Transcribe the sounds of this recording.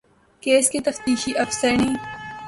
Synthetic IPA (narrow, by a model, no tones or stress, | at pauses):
keːsket̪ɐft̪iːʃiʔɐfsɐniː